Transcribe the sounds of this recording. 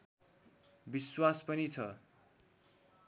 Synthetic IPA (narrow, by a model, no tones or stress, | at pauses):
biswaspʌnit͡sʰʌ